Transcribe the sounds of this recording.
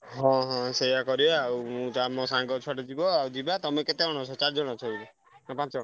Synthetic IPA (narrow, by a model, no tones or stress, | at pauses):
ɦɔ̃ɦɔ̃sejakɔɾibeawmũd͡ʒamɔ̃sãŋɡɔt͡ʃʰaʈed͡ʒibɔawd͡ʒibat̪ɔmẽket̪eɔɽ̃ɔt͡ʃʰɔt͡ʃaɾd͡ʒɔɽ̃ɔt͡ʃʰɔibɔ | ɦɔ̃pãt͡ʃd͡ʒɔ̃